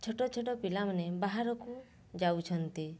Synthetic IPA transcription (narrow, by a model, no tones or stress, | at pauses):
t͡ʃʰɔʈɔt͡ʃʰɔʈɔpilamanebaɦaɾɔku | d͡ʒawt͡ʃʰɔnt̪i